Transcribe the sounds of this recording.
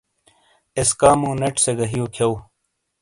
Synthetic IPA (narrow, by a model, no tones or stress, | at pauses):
eskaːmũːneʈseɡɐɦijokʰjɐw